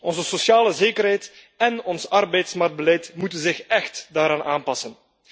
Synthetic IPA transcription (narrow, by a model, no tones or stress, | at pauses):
ɔnzəsosjaːləzeːkəɾɦɛjt | ɛnɔnsɑrbɛjtsmark̚d̚bəlɛjtmutənzɪxɛxtdaːɾaːnaːnpɑsən